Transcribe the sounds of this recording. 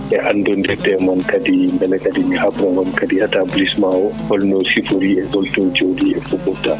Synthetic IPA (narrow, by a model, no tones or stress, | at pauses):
ʔɛʔanːdɔndɛdɛmɔnkadimbɛlɛkadimihabɾamɔnkadiatablismawɔhɔlnɔsifuɾiɛɡɔltod͡ʒowdiɛ̰fukɔtːa